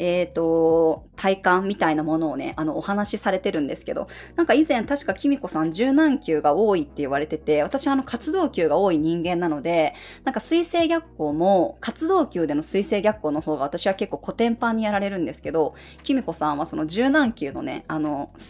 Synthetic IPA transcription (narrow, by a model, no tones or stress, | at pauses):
et̪o̞t̪ʰaikãmːʲit̪ainamo̞no̞ːne̞̰ʔano̞ːhanaɕisaɾe̞t̪e̞ɾɯ̟̃nd̪e̞sɨ̥ke̞̰d̪o̞̰nãŋkaizẽ̞nt̪aɕi̥kakʲimʲiko̞sãɲ̟d͡ʑɨːnãŋkʲɨːɡaoːit̪ːe̞iβ̞aɾe̞t̪e̞t̪e̞β̞at̪aɕiβano̞kʰat͡sɨd̪o̞ːkʲɨːɡao̞ːiɲ̟ĩŋɡẽ̞nːano̞d̪e̞ | nãŋkasɨise̞ːɡʲakːo̞ːmo̞kʰat͡sɨd̪o̞ːkʲɨːd̪e̞no̞sɨise̞ːɡʲakːo̞ːno̞ɦo̞ːɡaβat̪aɕiβake̞kːo̞ːko̞t̪ẽ̞mpãɲ̟ːijaɾaɾe̞ɾɯ̟̃nd̪e̞sɨ̥ke̞d̪o̞ | kʲimʲiko̞sãɰ̃βaso̞no̞d͡ʑɨːnãŋkʲɨ̟ːno̞̰ne̞̰ano̞s